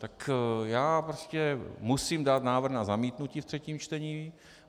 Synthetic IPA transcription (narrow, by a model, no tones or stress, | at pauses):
t̪akjaːpɾoscɛmusiːmdaːt̪naːvr̩xnazamiːt̪nuciːft̪r̥ɛciːmt͡ʃt̪ɛɲiː